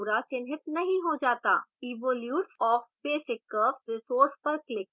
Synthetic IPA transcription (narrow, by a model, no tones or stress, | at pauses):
ɾat͡ʃɪnɦɪt̪nɐɦĩɦod͡ʒaːt̪a̰ːiːʋoːljuːʈsɔːfbeːsɪkːəːpsɾɪsoːɾspɐɾklɪk